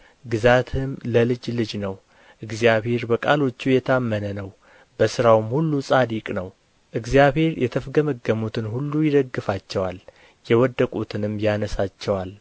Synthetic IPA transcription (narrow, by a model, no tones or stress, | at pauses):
ɡɨzat̪ʰɨmləlɨd͡ʒlɨd͡ʒnəw | ʔɨɡzijaβhe̞ɾbəkʼalo̞t͡ʃːujɛt̪ʰəamːənənəw | b̥əsɨɾawɨmhulːusʼad̪ikʼnəw | ʔɨɡzijaβhe̞ɾjʔɛt̪ʰəfɡəməɡːəmut̪ʰɨnhulːujɪd̪əɡːɨfat͡ʃːɛwal | jɛwɔd̪ːəkʼut̪ʰɨnɨmːjanəsat͡ʃːɛwal